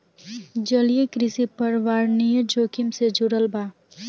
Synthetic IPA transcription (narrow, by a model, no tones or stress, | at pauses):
d͡ʒəlijekɾɪsipəɾʋaːɾnijəd͡ʒoːkimsed͡ʒuɾəlbaː